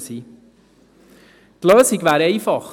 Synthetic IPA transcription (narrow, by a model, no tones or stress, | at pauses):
siː | tløːsiɡʋæːɾɛɪfɑχ